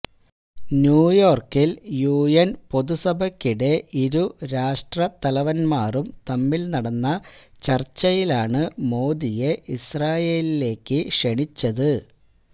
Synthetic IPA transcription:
njuːjo̞ːrkiljuːjɐnpo̞ðusɐbʱɐkːiɽe̞ʔiɾuɾaːʂʈrɐt̪ɐlɐʋɐnmaːrumt̪ɐmːilnɐɽɐnːɐt͡ɕɐrt͡ɕːɐjilaːɳɨmo̞ːd̪ije̞israːje̞ːlile̞ːkːɨʂeɳit͡ɕːɐðɨ

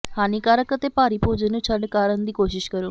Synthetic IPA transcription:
haːniːkaːɾəkət̪eːpaːɾiːpoːd͡ʒənũːt͡ʃʰəɖkaːɾənd̪iːkoːʃɪʃkəɾoː

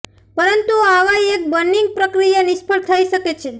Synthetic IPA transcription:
pəɾənt̪uaʋaek̚bənːiŋɡ̚pɾəkɾijanɪʃpəɽt̪ʰəiʃəket͡ʃʰe

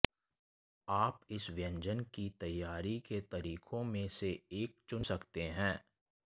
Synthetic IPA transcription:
aːpɪsʋjə̃ɲd͡ʒənkit̪ɐjːaːɾiket̪ɐɾiːkʰõmẽseeːk̚t͡ʃʊnsɐkt̪eɦɛ̃ː

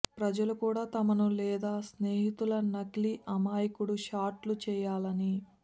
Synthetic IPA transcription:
pɾɐd͡ʒɐlukuːɽaːt̪ɐmɐnulɛːd̪aːsneːɦit̪ulɐnɐɡliʔɐmaːjikuɽuʃaːɾʈlut͡ʃɛːjaːlɐni

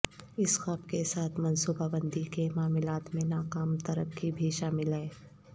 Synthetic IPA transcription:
ɪsxɐbkesaːt̪ʰmɐ̃nsuːbabə̃nd̪ikemaːmɪlaːt̪mẽnaːkaːmt̪ɐɾəkːibʱiʃaːmɪlɦɛː

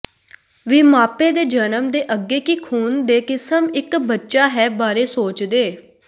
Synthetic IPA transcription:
ʋiːmaːpeːd̪eːd͡ʒənəmd̪eːʔəɡːeːkiːkʰuːnd̪eːkɪsəmɪkbətːʃaːɦɛːbaːɾeːsoːt͡ʃd̪eː

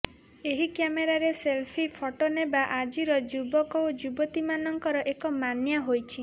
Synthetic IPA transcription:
eɦikjameɾaɾeselpʰipʰɔʈonebaʔad͡ʒiɾɔd͡ʒubɔkɔod͡ʒubɔt̪imanɔŋkɔɾɔʔekɔmanjaɦojt͡ʃʰi

